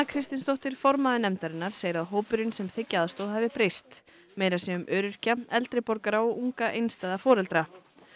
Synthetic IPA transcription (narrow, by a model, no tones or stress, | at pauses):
akʰɾɪst̪ɪnst̪oht̪ɪɾ̥fɔɾmaðɪnɛmt̪aɾɪnːaɾ̥seːjɪɾaðɦoːwpʏɾɪnsɛmθɪcːaːðst̪oːðɦavɪpɾejst̪ | meːjɾasɛʏmʔœːɾʏr̥caɛlt̪ɾɪpɔɾkaɾaɔʔuŋkaʔejnst̪ɛːðafɔːɾɛlt̪ɾa